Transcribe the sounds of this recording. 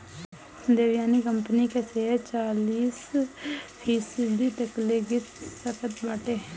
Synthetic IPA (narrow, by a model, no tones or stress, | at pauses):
d̪eːʋjaːniːkəmpəniːkɛseːɛːt͡ʃaːliːs | pʰiːsəd͡ʒd̪iːt̪əkleːɡɪt̪səkʰət̪baːʈeː